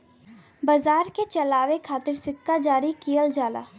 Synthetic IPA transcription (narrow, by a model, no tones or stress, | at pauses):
bɐzaːɾket͡ʃɐlaːʋekʰaːt̪ɪɾsɪkːad͡ʒaːɾikijəld͡ʒaːla̰ː